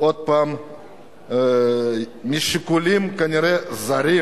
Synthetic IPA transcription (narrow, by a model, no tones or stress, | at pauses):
ot̪̚pɐm | mʲiʃikulimkɐnʲiɾezɐɾi